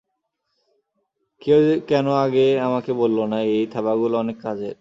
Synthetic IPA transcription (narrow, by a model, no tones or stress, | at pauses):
kekɛnoaɡeamakebolːonaejt̪ʰabaɡuloɔnekːad͡ʑe